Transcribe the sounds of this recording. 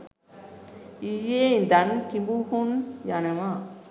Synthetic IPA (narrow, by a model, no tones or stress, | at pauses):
ijend̪ankimbuhunjanɐma